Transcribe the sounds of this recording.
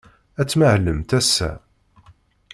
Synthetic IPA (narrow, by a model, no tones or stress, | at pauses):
æt͡sːmaʕləmt̪æsːæ̰